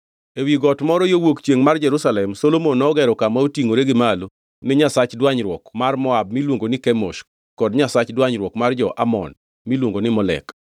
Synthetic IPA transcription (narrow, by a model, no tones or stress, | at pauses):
ewiɡɔtmɔɾɔjowokt͡ʃjeŋmard͡ʒɛɾusalɛmsolomonɔɡɛɾɔkamaotiŋoɾeɡɪmalo | nɪɲasat͡ʃdwaɲɾwɔkmarmɔab̚milwoŋɡonɪkɛmo̰ʃ | kɔdɲasat͡ʃdwaɲɾwɔkmard͡ʒɔʔamɔ̰n | milwoŋɡonɪmɔlɛ̰k